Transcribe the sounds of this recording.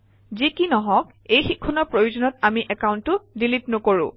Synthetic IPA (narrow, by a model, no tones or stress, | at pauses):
zikinɔɦɔ̃k̚ | ejxikʰːɔnɔpɹojuzɔnɔtamiʔɛkawuntʊdilitnʊkoɹʊ̰̃